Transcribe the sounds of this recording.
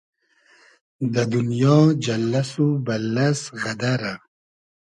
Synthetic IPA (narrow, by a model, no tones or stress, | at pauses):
d̪ad̪unjɑd͡ʒalːasubalːasɣad̪aɾa